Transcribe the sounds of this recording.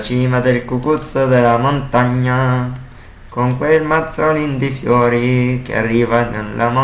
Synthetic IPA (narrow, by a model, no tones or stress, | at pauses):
t͡ʃimãd̪elkukut͡sod̪elamõnt̪aɲã | koŋkʷelmãt͡sonĩnd̪ifjoɾikja̰riβanõnlamã